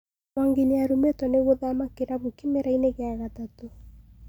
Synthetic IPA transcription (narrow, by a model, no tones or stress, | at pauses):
aŋɡeneaɾumetɔneɣoðamakeɾaβukemeɾaineɣaɣatato